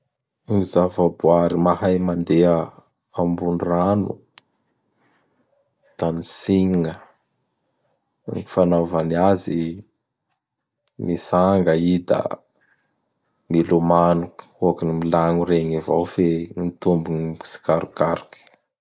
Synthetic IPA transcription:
mizavabuaɾimahajmand̪eə | ambunranṵ | t̪anisiɲiŋə | ŋifanavaniazi | misaŋɡəid̪a̰ | milumanukuakinimilaŋuɾeŋivawfenit̪umbunii̥si̥kaɾukaɾki̥

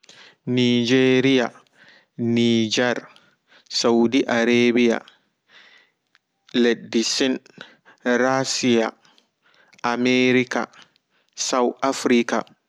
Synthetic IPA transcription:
nid͡ʒeɾija | nid͡ʒɛɾ | sawdiʔaɾebija̰ | ledːisin | ɾasija̰ | ʔameɾika̰ | sawafɾika̰

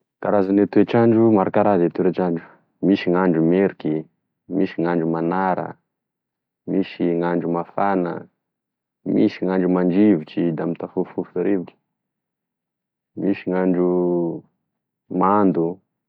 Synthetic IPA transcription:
kaɾazanet̪uet͡ʃaɳɖ͡ʐumaɾakaɾazet̪ueɾat͡ʃaɳɖ͡ʐu̥ | miʃiŋaɳɖ͡ʐumeɾiki | miʃiŋaɳɖ͡ʐumanaɾə̰ | miʃiŋaɳɖ͡ʐumafanə̰ | miʃiŋaɳɖ͡ʐumaɳd͡ʒivit͡ʃid̪amit̪afufufaɾebki̥ | miʃiŋaɳɖ͡ʐu | mand̪u

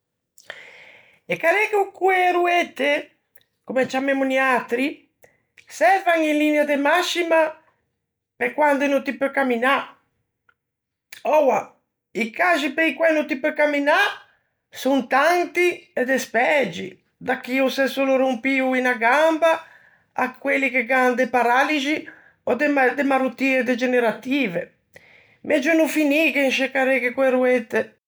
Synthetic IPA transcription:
ekaɾɛkukueɾuet̪ːe | komɛt͡ʃamemuniat̪ɾi | sɛvaŋilinjad̪emaʃima | pekwand̪enot̪ipøkamina | ɔwa | ikaʒipeikwɛnut̪ipøkamːina | sunt̪ant̪iɛd̪espɛd͡ʒi | d̪akːiusɛsoloɾumpiuinaɡambaː | kwelːikeɡand̪epaɾalid͡ʒi | ɔd̪ed̪emaɾut̪ːiːed̪ed͡ʒeneɾat̪iːve | mʔɛd͡ʒonufinikeinʃekːaɾekekwɛɾuet̪ːe

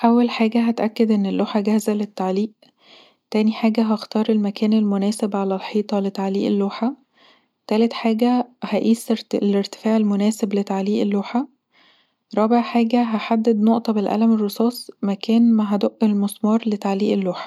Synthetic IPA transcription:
ʔæwːælħaːɡæɦæt̪ʔækːæd̪ʔenːelːoːħaɡæhzælet̪ːaʕliːʔ | t̪æːniħaːɡæɦæxt̪ɑːɾˤelmækæːnelmonæːsebʕalælħiːt̪ˤɑlet̪aʕliːʔelːoːħa | t̪æːlet̪ħaːɡæhæʔiːsleɾt̪e̥fæːʕelmonæːseblet̪aʕliːʔelːoːħa | ɾˤɑːbeʕħaːɡæɦæħad̪ːed̪noʔt̪ˤɑbelʔæ̰læmerːesˤɑːsˤmækæːnmæɦæd̪oʔːelmosˤmɑɾˤlet̪aʕliːʔelːoːħḁ

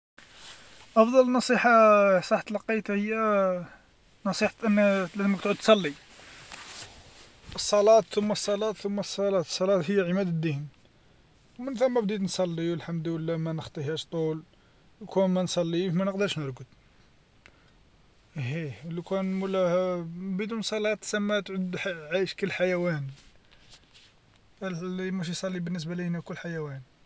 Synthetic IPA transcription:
ʔɑfd̪ˤɑlnɑsˤiħɑsˤɑħt̪lqːit̪həjːæ | nɑsˤiħʔənːlæzəmək̚t̪ʕud̪̚t̪sˤɑlːi | əsˤːɑlɑt̪t̪ʊmːæsˤːɑlɑt̪θʊmːæsˤːɑlɑt̪ˤsˤːɑlɑt̪həjːæʕəmæd̪əd̪ːəhn | wmənfæmːæbd̪it̪nsˤɑlːiwəlħamd̪wəlːæmænəxt̪ˤiɦæʃt̪ˤul | əlkunmænsˤɑlːifmænəqd̪əɾʃnəɾˤɡəd̪ | hilkænməlːæbəd̪unsˤɑlɑt̪ˤsæmːæt̪ʕʊd̪ħʕajʃkəlːħajæwæn | limæʃ̬ijsˤɑlːibənːəs̬bælihnækʊlːħajæwæn

